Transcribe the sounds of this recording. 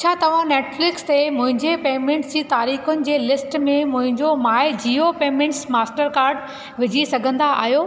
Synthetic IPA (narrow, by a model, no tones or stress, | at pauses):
t͡ɕʰaːt̪ɐʋ̤ãneːʈflɪkst̪emʊ̃ɦɪ̃ɲd͡ʑepeːmẽːɳʈsd͡ʑiːt̪aːɾiːxʊnɪ̆d͡ʑeːlɪsʈmẽmʊ̃ɦɪ̃ɲd͡ʑomaːɪd͡ʑiːopeːmẽːɳʈsmaːsʈəɾkaːɾɖ | ʋɪd͡ʑʱisɐɡʱə̃nd̪aa̰ːɦjoː